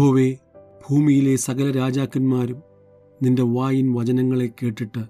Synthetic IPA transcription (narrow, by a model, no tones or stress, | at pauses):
ɦo̞ːʋe̞b̥ʱuːmijile̞sɐɡɐlɐɾaːd͡ʑaːkːunmaːɾum | ninde̞ʋaːjinʋɐd͡ʑɐnɐŋːɐɭe̞kːe̞ːʈːiʈːɨ